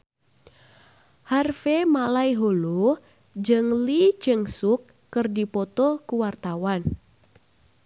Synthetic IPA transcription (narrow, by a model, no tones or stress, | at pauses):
harfemalaiɦolu | d͡ʒɨŋlid͡ʒɨŋsukːɨrdipɔt̪ɔkuwart̪awan